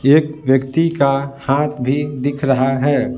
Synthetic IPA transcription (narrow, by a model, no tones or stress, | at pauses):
eːkʋjəkt̪ikahaːt̪ʰbʱid̪ɪkʰɾəɦaɦɛː